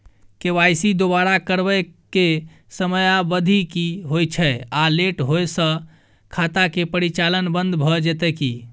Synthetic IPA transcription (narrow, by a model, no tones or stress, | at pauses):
keʋajsid̪obaɾakəɾbəjke | səməjabəd̪ʱikiɦojt͡ʃʰɛaleʈɦojsə̃ | kʰat̪akepəɾit͡ʃalənbə̃nd̪bʱɔd͡ʒet̪ɛki